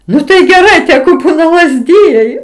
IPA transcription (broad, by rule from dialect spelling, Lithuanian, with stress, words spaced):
ˈnʊ tɐɪ ɡʲɛˈrɐɪ ˈtʲæːɡʊ ˈbuːnɐ lˠɐzʲˈdʲɪjɛɪ